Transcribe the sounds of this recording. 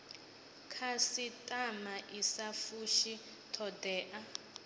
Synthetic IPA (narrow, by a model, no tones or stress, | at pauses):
kʰasitʼamaʔisafuʃi | tʰɔdɛːʔa